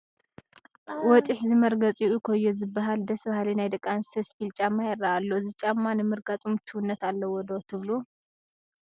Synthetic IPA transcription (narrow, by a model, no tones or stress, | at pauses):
wɔt͡sʼiħzɨmɐɾɡɐt͡sʼiʔukʰojːozɨbːaɦald̪ɐsβahalinajd̪ɐkʼansespilt͡ʃʼamːajɪrːaʔalːozɨt͡ʃʼamːanɨmɨɾɡat͡sʼumt͡ʃʰuwunːɐt̪alːɐwɔd̪ot̪ʰɨβlu